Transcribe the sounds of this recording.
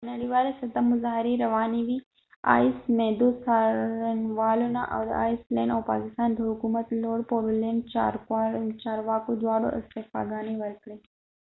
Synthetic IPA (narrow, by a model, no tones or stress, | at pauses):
nɐɽiʋaːɾesɐd̪əmːʊzaːɦɾiɾɐʋaːniʋi | a̰ːismed̪usaɾənʋaːluna̰ʔɐ̰ʋd̪a̰ːjsleːnɔːʋpa̰ːkɪst̪aːnd̪ʱoɦʊkumət̪loːɽpoːɾuleːnɖt͡ʃa̰ːɾkaːɾnt͡ʃaːɾʋaːkud̪wʋaːɽo̰ʔɪst̪efa̰ːɡaːniʋɐlkɽe